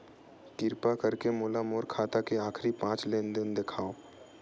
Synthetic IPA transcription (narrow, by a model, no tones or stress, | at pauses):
k̪ɪɾpakəɾkemoːlamoːɾkʰaːt̪akeaːkʰɾipãːt͡ʃleːnd̪ɪnd̪ekʰaːoː